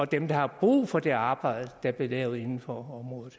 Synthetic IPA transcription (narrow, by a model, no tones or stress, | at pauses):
ɒ̽d̥emd̥ɑ̈hɑ̈b̥ʁṵːfɒ̽d̥e̝ɑ̈ːb̥ɑ̈ɪ̰ð̩ˠəd̥æb̥le̝lɛ̰ʊe̝nn̩fɒɒ̽mʁɔ̽ːð̩ˠ